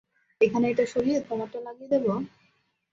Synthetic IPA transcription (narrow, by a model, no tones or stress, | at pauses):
ekʰaneeʈaʃoɾiet̪ʰɾɔmat̪ːonlaɡijed̪ebo